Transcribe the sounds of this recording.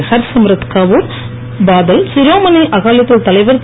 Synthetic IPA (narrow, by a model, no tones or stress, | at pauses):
sɐɾsɐmɾɐt̪kaːʋuːɾ | baːðɐlsɪɾoːmɐnɐɪʔɐɣaːlɐt̪ːɪlt̪ɐlɐɪʋɐɾ